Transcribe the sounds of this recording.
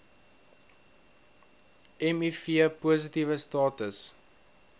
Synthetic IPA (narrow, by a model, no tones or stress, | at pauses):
ɛmifiəpuəs̬itivəstɑːtəs